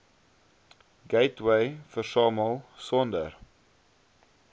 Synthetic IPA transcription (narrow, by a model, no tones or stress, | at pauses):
ɡeɪtwejfərsɑːməlˠsɔndə̰r